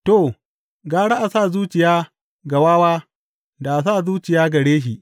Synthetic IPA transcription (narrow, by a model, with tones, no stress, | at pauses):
to˨ | ɡaː˦ɽa˦ʔa˨saː˦˨zuː˦t͡ʃɪ˨jaː˦ | ɡa˨waː˦waː˦ | da˨ʔa˨saː˦˨zuː˦t͡ʃɪ˨jaː˦ɡɐ˨ɽeː˦ʃ̬i˨ʔ